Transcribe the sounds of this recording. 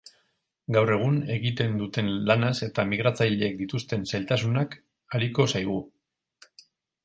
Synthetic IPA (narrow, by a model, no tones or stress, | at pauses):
ɡawre̞ɣ̞une̞ɣit̪e̞nd̪ut̪e̞nlanase̞t̪amiɣɾat͡sajʎe̞ːk̚d̪it̪ust̪e̞nsajlt̪asunak | aɾiko̞sajɣ̞u